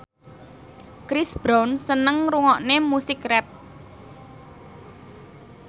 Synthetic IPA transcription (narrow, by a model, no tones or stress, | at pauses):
kɾisb̥ɾawnsənəŋruŋɔʔnemusɪkrɛp̚